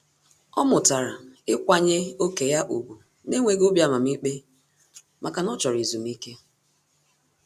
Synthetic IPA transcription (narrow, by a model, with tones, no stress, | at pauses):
ɔ˦mʊ˨ta˨ɾa˨ɪ˦kʷa˨ɲe˦o˦ke˨ja˦ʔu˨bu˨ | ne˦ŋʷe˨ɡo˦bja˨ma˨m̩˦i˦k͡pe˦ | mʔa˨ka˨nɔ˦t͡ʃɔ˨ɾi˨zu˨m˦i˦ke˦